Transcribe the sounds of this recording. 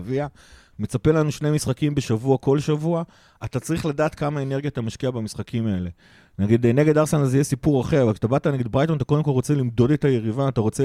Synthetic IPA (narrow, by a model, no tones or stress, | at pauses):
via | me̞t͡sape̞lanuʃne̞jmisχakimbeʃavuako̞lʃavua | at̪at͡saʁiχladaːt̪kamae̞ne̞ʁɡjat̪amaʃkiabamisχakimae̞le̞ | naɡid̪ene̞ɡedaʁsenazejesipuʁaχe̞ʁavalkʃḁt̪abataneɡid̪bʁajt̪onat̪̬akod̪e̞mkolʁot͡selimd̪o̞de̞t̪aje̞ʁivaːt̪aʁo̞t͡se